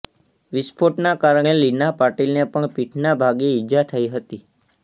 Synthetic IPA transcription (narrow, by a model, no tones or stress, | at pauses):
ʋispʰoʈnakaɾəɳ̃elinapaʈilnepəɳpiʈʰnabʱaɡiɪd͡ʒat̪ʰəiɦət̪i